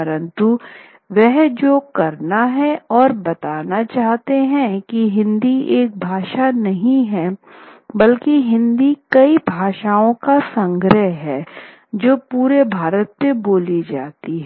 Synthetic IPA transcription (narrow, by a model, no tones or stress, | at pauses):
ɐɾə̃nt̪u | ʋɛɦd͡ʒoːkɐɾnaɦɛɔːɾbɐt̪aːnat͡ʃaːɦt̪eɦɛ̃kiɦɪ̃nd̪ieːk̚bʱaːʃanɐɦĩɦɛ | bɐlkiɦɪ̃nd̪ikɐibʱaːʃaːõkasɐ̃ŋɡɾəɦɦɛː | d͡ʒoːpuːɾebʱaːɾət̪̚peboːlid͡ʒa̰ːt̪iɦɛ